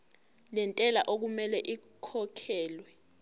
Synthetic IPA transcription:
lɛntʼɛlaʔok̬umɛlɛʔi | kʰɔkʰɛːlwɛ

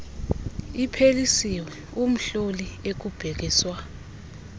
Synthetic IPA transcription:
ipʰelisiwɛ | um̩ɬoliek̬ub̥ʱɛk̬iːswa

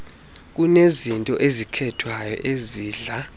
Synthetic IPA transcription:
k̬ʼunezintʼɔʔezikʰɛtʰwajɔ̰ʔeziːɮa

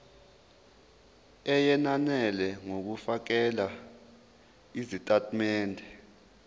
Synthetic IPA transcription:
ɛjɛnanɛlɛŋok̬ufak̬ɛla | izitʼatʰʼmɛːndʱɛ

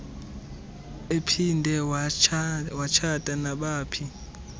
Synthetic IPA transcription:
epʰindʱɛ | wat͡ʃʰad̥ʱʼanaɓaːpʰi

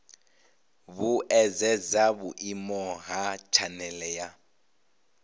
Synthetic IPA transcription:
βuʔɛzɛd͡zabuʔimɔɦat͡ʃʰanɛlɛja

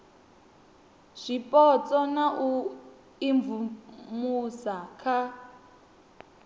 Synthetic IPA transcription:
ʂʷipʼɔt͡sʼɔnaʔu | iɱvumusakʰa

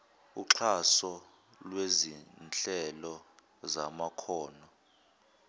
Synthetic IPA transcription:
ṵǁʰasɔ | lwezint͡ɬɛlɔ | zamakʰɔːnɔ

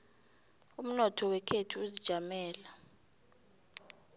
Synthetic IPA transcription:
um̩nɔtʰɔwɛkʰetʰuuzid̥ʒ̥ʱamɛːla

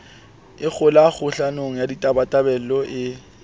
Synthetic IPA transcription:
ɪk͡xʰʊlaɣʊɬanoŋ̩jaditʼabatʼabɛllɔʔɪ

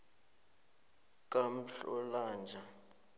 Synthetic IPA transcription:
kʼam̩ɬɔ̰laːnd͡ʒʱa

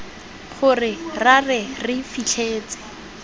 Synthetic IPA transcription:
χʊrɪrarɛrɪfit͡ɬʰeːt͡sɪ̥

